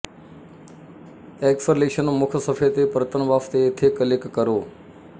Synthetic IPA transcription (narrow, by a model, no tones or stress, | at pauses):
eksəleʃənomʊkʰəsəfʰet̪epɾət̪ənʋaːft̪eːt̪ʰekəlekːəɾoː